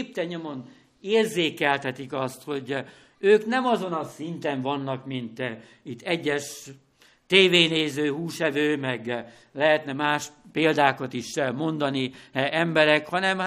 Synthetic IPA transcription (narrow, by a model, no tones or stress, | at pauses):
ip̚t̪ɛɲomo̞n | eːrzeːkɛlt̪ɛt̪ikɒst̪ho̞ɟ | øːknɛmɒzo̞nɒsint̪ɛɱvɒnːɒkmint̪ | it̪ːɛɟːɛʃ | t̪eːveːneːzøːhuːʃɛvøːmɛɡ | lɛɦɛt̪nɛmaːʃpeːld̪aːkɒt̪iʃmo̞nd̪ɒniɛmbɛɾɛkhɒnɛm